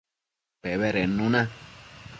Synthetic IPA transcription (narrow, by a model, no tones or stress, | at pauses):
peβeɾenũnã